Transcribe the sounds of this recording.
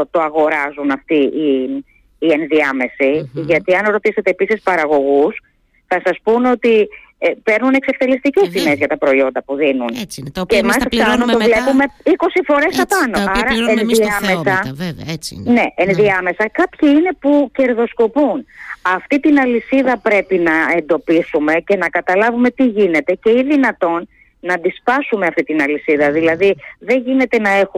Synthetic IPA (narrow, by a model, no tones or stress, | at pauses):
t̪oɐɣo̞ɾɐzunɐft̪iiː | e̞nðiɐme̞siʝɐt̪iɐnɾo̞t̪ise̞t̪e̞ːpisispɐɾɐɣo̞ɣus | θɐsɐspuno̞t̪i | pe̞ɾnune̞kse̞fθe̞list̪ice̞st̪ime̞zʝɐt̪ɐpɾo̞io̞nd̪ɐpuðinuncemɐsfθɐnunt̪o̞vle̞pume̞iko̞sifo̞ɾe̞st̪ɐpɐno̞ɐɾɐenðiɐmesɐ | neʔenðiɐme̞sɐkɐpçiine̞puce̞ɾðo̞sko̞punɐft̪it̪inɐlisiðɐpɾe̞pinɐe̞nd̪o̞pisume̞ce̞nɐkɐt̪ɐlɐvume̞t̪iʝine̞t̪e̞ce̞iðinɐt̪o̞nː | ɐd̪ispɐsumeɐft̪it̪inɐlisiðɐðilɐðiðe̞ɲʝine̞t̪e̞nɐe̞xu